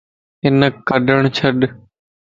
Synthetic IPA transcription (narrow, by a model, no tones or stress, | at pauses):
ɪnəkəɖəɳ̃t͡ʃʰəɗ